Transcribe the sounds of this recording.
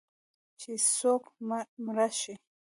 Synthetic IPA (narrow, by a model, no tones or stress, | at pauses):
t͡ʃʰisokmɾaʃi